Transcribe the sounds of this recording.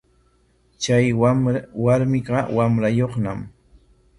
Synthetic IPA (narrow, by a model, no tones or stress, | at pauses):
t͡ʃajwaɾmɪɢɑwamɾajoχnam